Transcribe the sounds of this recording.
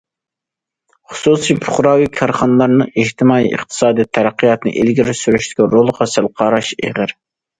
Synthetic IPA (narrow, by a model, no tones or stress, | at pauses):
χʊ̥susipʰʊ̥χɾɑːwikʲʰɑɾχɑnɨlˠɑɾnɨeht̪ʰɪmɑːḭʔɨ̰χt̪ʰɨ̥sɑːd̪ijt̪ʰæɾæqːijɑt̪nɨ̰ʔelɡʲiɾɪsyɾyʃt̪ɪ̥kʲɛɾolˠʁɑsælqʰɑːɾɑʃḛʁɪɾ